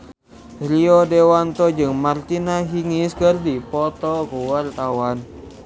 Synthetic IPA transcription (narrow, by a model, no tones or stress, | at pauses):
ɾiɔdɛwant̪ɔd͡ʒɨŋmart̪inaɦiŋiskərdipɔt̪ɔkuwart̪awan